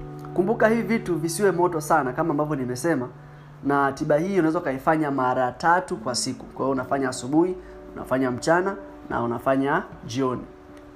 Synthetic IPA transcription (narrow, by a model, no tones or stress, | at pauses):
kumbukahivivituvisiwɛmɔtɔsanakamaːmbavjɔnimɛsɛma | natiɓahiːunawɛzaukaifaɲamaɾatatukwasikukwaiɔunafaɲaːsuɓuhi | una̰faɲam̩t͡ʃana | nʔa̰unafaɲad͡ʒiɔni